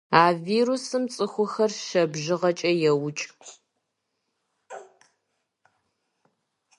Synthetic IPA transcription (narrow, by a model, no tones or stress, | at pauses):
aːviːɾusɨmt͡sʼɨxʷʊxɐrʃɐbʒɪʁɐt͡ʃʼɐjɛwʊt͡ʃʼ